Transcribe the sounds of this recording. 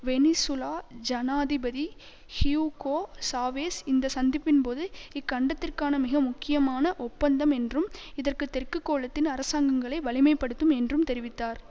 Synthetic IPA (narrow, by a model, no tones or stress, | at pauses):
ʋɛnɪsʊlaːd͡ʒɐnaːðɪbɐði | hɪjukoːsaːʋeːsɪnd̪ɐsɐnd̪ɪpːɪnpoːðɯɪkːɐɳɖɐt̪ːɪrkaːnɐmɪɣɐmʊkːɪjɐmaːnɐʔɔpːɐnd̪ɐmɛndrɯmɪðɐrkɯt̪ːɛrkɯkːoːɭɐt̪ːɪnɐɾɐsaːŋɡɐŋɡɐɭɐɪʋɐɭɪmɐɪpːɐɽɯt̪ːɯmɛndrɯmt̪ɛɾɪʋɪt̪ːaːɾ